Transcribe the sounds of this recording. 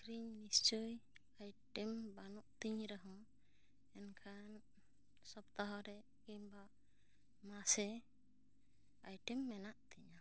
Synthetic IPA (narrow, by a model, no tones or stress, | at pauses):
kɾiɲnist͡ʃuj | ajʈɛmbanɔʔt̪iɲɾaɦɔ̃ | ɛnkʰan | sɔbt̪aɦɔɾɛ | kiɲbaʔ | masɛ | ajʈɛmːɛnaʔt̪iɲa